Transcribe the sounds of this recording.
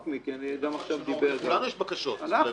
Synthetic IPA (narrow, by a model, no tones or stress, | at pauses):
kmikianiɡamaχʃavd̪iubeɡalanujɛʃbakaʃot̪ana